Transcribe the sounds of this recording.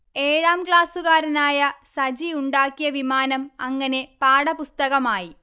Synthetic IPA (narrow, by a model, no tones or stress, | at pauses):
eːɻaːmkɭaːsuɣaːɾɐnaːjɐsɐd͡ʑiuɳɖaːkːijɐʋimaːnɐmɐŋːɐne̞paːɽɐpust̪ɐɣɐmaːji